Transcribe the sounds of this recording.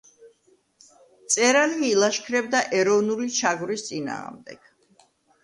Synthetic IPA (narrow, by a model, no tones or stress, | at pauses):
t̪sʼɛɾalːlˠaʃkʰɾɛb̚d̪aʔɛɾɔvnulit͡ʃʰaɡvɾist̪sʼina̰ːʁmd̪ɛ̰ɡ̥